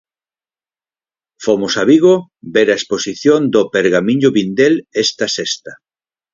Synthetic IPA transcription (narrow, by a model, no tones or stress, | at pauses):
fomʊsaβiɣo | beɾaesposiθjond̪opeɾɣamiɲʊβind̪elɛst̪ɐsest̪ɐ